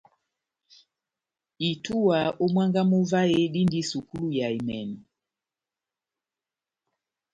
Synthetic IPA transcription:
i˨tu˦a˨ɔ˦mwa˦ŋɡa˦mu˦va˦ɛ˦ɗi˦ndi˦su˨ku˦lu˦ja˨i˨mɛ˨nɔ˨

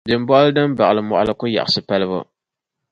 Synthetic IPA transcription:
dɨ˨m˦bɔ˦ʔlɨ˦dɨ˦m˦ba˨ʔɨ˨lɨ˨mɔ̰˨ʔʊ̰˦lɨ˦kʊ˦ja̰˨ʔsɨ˨pa˦lɨ˦bʊ̰˦

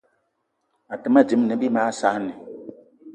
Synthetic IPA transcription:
a˨tɨ˨ma˦d͡ʒi˨˦m˦nɨ˨˦bi˦maː˦sa˦nɪ˨

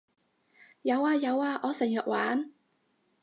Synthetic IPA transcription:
jɐ˨˧waː˧jɐ˨˧waː˧ʔɔː˨˧sɪ˨˩ŋjœː˨k̚waː˨˥n

